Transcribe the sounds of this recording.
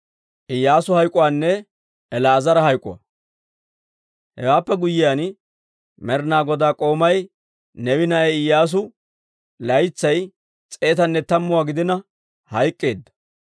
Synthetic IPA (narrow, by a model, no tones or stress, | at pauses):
ʔɪjːaːsʊhɐjkʼːʊwaːnːɛː | lɐːzɐɾɐhɐjkʼːʊ̰wɐ̰ | hɛ̰waːpːɛɡʊjːɪjan | mɛɾnaːɡɔd̪aːkʼo̞ːmɐj | nɛwɪnɐɛɪjːaːs̬ʊ | lɐjt͡sːɐj | t͡sʼe̞ːt̪ɐnːɛt̪ɐmːʊwaːɡɪd̪ɪnɐ | hɐjkʼːe̞ːd̪ːɐ̥